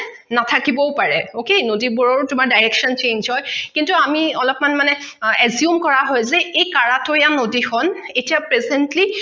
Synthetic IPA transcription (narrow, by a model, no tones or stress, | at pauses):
natʰakibɔpaɹɛokenodibɔɹoɹtʊmaɹdajɹɛkʃɔnt͡ʃeɲnzɦɔjkintuamiɔlɔpmanmanɛ | ɛzjumkɔɹaɦɔjzɛejkaɹatʊjanodixʰɔnetiapɹezɛntli